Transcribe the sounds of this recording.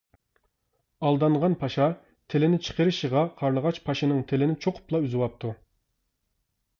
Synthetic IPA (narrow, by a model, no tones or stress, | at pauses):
ɑlˠd̪ɑɴʁɑnpʰɑʃɑ | t̪ʰelɪnɪt͡ʃʰə̥qʰəɾɪʃəʁɑqʰɑɾlˠəʁɑt͡ʃpʰɑʃinɨŋt̪ʰelɪnɪt͡ʃʰoqʰʊ̥plˠɑyzɨwɑp̚t̪ʰu